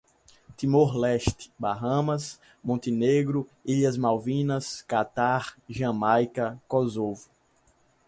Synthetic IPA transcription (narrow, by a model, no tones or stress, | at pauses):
t̪ĩmoɾlɛʃt̪ɪ̥baɦɐ̃mɐs | mõnt̪ineɡɾʊiʎɐzmawvĩnɐskat̪aɾʒɐ̃majkɐkozovʊ